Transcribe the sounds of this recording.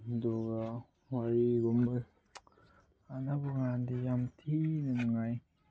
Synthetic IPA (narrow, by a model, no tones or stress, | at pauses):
dɔɡa | waɾiɡɔmɯ | anabɔŋandijamtʰinɯnuŋaj